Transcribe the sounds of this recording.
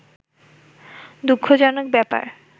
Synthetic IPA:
d̪ukʰːod͡ʑɔnok̚bɛpa̰ɾ

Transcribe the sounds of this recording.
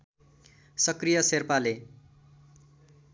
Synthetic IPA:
sʌkrijʌserpale

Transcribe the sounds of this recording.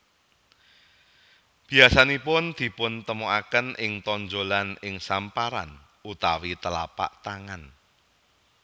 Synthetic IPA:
b̥i̤asanipʊnd̪̥i̤pʊnt̪əmuakənʔɪŋt̪ɔɲd͡ʒolanɪŋsampaɾa̰n | ut̪awit̪əla̰pa̰ʔt̪aŋan

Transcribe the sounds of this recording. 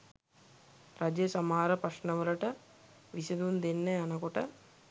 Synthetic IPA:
ɾɐd͡ʒeːsɐmaːɾɐpɐʂnɐʋɐɾɐʈɐ | ʋisɐd̪und̪enːeɐnɐkɔʈɐ

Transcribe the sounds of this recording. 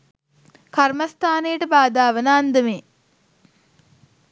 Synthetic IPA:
kaɾmɐst̪ʰaːnejəʈəbaːd̪aːʋɐnaːnd̪əmeː

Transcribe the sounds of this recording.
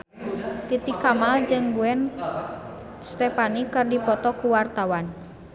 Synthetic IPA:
t̪it̪ikːamald͡ʒɨŋɡuɛn | st̪ɛpanikɨrdipɔt̪ɔkuwart̪awan

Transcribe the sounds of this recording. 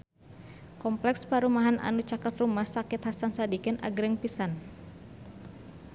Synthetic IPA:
kɔmplɛkspaɾumaɦanʔa̰nut͡ʃakat̪rumahsakɪt̪hasansadikɛnʔa̰ɡɾɛŋpisan

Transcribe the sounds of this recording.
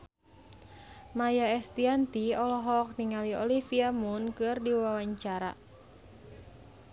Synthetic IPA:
majaɛst̪iant̪iɔlɔɦɔk̚niŋaliɔlifiamunkɨrdiwawaɲt͡ʃaɾa̰

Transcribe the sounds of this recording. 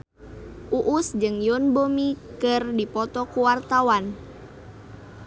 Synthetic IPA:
ʔuʔusd͡ʒɨŋjɔnbomikɨrdipɔt̪ɔkuwart̪awan

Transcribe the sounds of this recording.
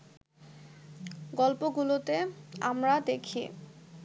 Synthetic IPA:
ɡɔlpoɡulot̪eamɾad̪ekʰḭ

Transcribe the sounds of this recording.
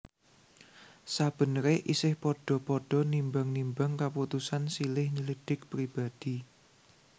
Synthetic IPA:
sab̥ə̤nɾeʔisɪhpɔɖ̥ɔ̤pɔɖ̥ɔ̤nimbaŋnimbaŋkaput̪usansilɪhɲiliɖ̥ɪk̚pɾib̥ad̪̥i

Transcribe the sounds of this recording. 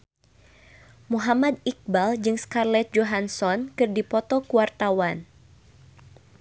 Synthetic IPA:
muɦamad̪ik̚bald͡ʒɨŋskarlɛt̪̚d͡ʒoɦansɔnkɨrdipɔt̪ɔkuwart̪awan

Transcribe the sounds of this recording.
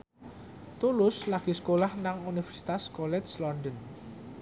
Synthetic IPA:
t̪ulʊslaɡ̥i̤sə̥kolahnaŋunifɛrsi̥t̪askɔlɛslɔndən

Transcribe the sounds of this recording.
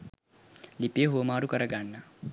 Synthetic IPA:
lipeɦoːmaːɾukɐɾɐɡaːɳːɐ

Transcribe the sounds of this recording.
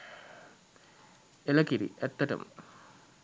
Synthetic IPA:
elɐkiɾḭʔet̪ːɐʈɐ̰m

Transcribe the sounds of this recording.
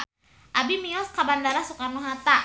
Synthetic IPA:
ʔabimiɔskabandaɾasukarnuɦat̪a

